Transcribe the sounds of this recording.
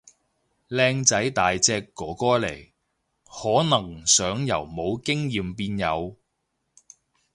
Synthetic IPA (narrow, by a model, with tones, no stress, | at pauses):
lɛː˧ŋt͡sɐ˨˥jt̪aː˨jt͡sɛː˧kːɔː˨˥kɔː˥le˨˩j | hɔː˨˥nɐ˨˩ŋsœː˨˥ŋjɐ˨˩wmo˨˧wkɪ˥ŋjiː˨mpiː˧njɐ˨˧w